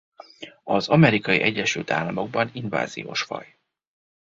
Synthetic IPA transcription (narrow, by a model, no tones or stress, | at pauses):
ɒzɒmɛɾikɒjiʔɛɟːɛʃylt̪a̰ːlːɒmo̞ɡ̚bɒninva̰ːzḭjo̰ːʃfɒ̰j